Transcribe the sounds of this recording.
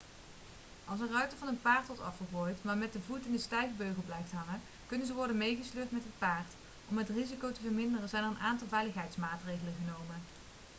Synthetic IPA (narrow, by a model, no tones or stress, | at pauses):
ʔɑlˠsərœɥtəvɑnənpaːɹtʋɔɹtɑ̰fχəbɔjtmaːɹmɛt̚dəvutɪndəstɛjvbøɥɣəlˠblɛjftɦɑŋə | kɵnənzəʋɔɹdənmejχəsløːɹtmɛtɦət̚paːɹt | ɔmɦətrizikowtəvəɹmɪndərənzɛjnərənʔaːntɑlˠvɛjləχɦɛjtsmaːtrejɣələnχənowmən